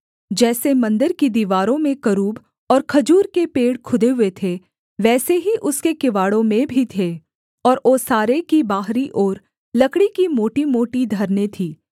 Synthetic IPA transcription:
d͡ʒɛːsemɐ̃nd̪əɾkid̪iːʋaːɾõmẽkɐɾuːb | ɔːɾkʰɐd͡ʒuːɾkepeːɽkʰʊd̪eɦʊet̪ʰe | ʋɛːseɦiʔʊskekɪʋaːɽõmẽbʱit̪ʰeː | ɔːɾʔoːsaːɾekibaːɦɾiʔɔːɾ | lɐkɽikimoːʈimoːʈid̪ʱɐɾnet̪ʰiː

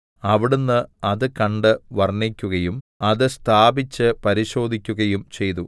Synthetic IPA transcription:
ɐʋiɽunːɨɐðɨkɐɳɖɨʋɐrnːikʲːuɣɐjum | ɐðɨst̪ʰaːbit͡ɕːɨpɐɾiɕo̞ːd̪ʱikʲːuɣɐjumt͡ɕe̞jt̪̬u

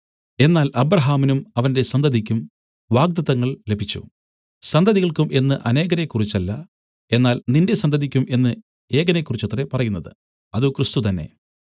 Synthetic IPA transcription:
e̞nːaːlʔɐbɾɐɦaːminumɐʋɐnde̞sɐnd̪ʱɐðikʲːum | ʋaːɡ̚d̪ɐðɐŋːɐɭle̞bʱit͡ɕːṵ | sɐnd̪ʱɐðiɣɐɭkumʔe̞nːɨʔɐne̞ːɡɐnekːurit͡ɕːɐlːɐ | e̞nːaːlninde̞sɐnd̪ʱɐðikʲːumʔe̞nːɨ | e̞ːɡɐnekːurit͡ɕːɐt̪re̞pɐrɐjunːɐðɨ̰ | ɐðukrɨst̪ut̪ɐnːe̞̰

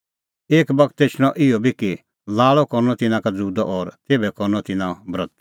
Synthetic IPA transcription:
eːkbɐkʰt̪ːeːt͡ʃʰɽ̃ɔ̃ʔɪɔbʱiki | laːɭɔkɔɾnɔt̪ɪnãkad͡zuːd̪ɔʔɔːɾt̪eːbɛkɔɾnɔt̪ɪnãbɾɐt̪

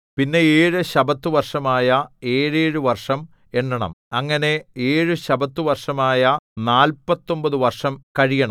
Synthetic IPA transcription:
pinːe̞eːɻɨɕɐbɐt̪ːɨʋɐrʂɐmaːjɐe̞ːɻeːɻuʋɐrʂɐm | e̞ɳːɐɳɐ̰mɐŋːɐne̞eːɻɨɕɐbɐt̪ːuʋɐrʂɐmaːjɐnaːlpɐt̪ːo̞mbɐðɨʋɐrʂɐmkɐɻijɐɳɐ̰m

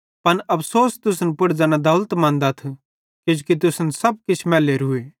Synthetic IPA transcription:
pɐnʔɐpʰsoːst̪ʊsnpʊɽd͡ʒaːnad̪ɐʊlt̪mãːnd̪at̪ʰ | kɪd͡ʒukit̪̬ʊsnsɐb̚kɪt͡ʃʰmɛːleːɾɦʊeː

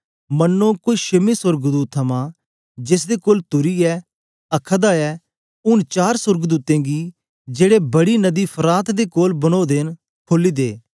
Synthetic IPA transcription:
mɐnːõkoːiʃɪmẽsʊɾɡd̪uːt̪̚ʰːɐmã | d͡ʒɪs̬d̪ekoːlt̪ʊɾiɛː | ɐkʰəd̪aɛː | ʊnt͡ʃaːɾsʊɾɡd̪uːt̪ẽːɡi | d͡ʒeːɽebɐɽinɐd̪ipʰɐɾaːt̪d̪ekoːlbɐñoːd̪en | kʰoːliːd̪eː

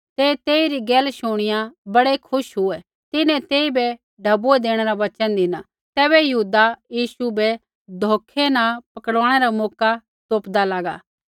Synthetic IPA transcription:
t̪eːt̪eːiɾiɡɛːlʃoːɽ̃ɪjãbɐɽekʰʊʃɦʊɛ | t̪ɪnɛ̃t̪eːibɛ | ɖʱɐbuɛd̪eːɽ̃eɾaʋɐt͡ʃənd̪ɪna | t̪ɛːbɛjɐɦuːd̪ajiːsubɛ | d̪ʱoːkʰːenãpɐkəɽaːɽ̃ɛɾamɔːka | t̪oːpd̪alaːɡa̰ː

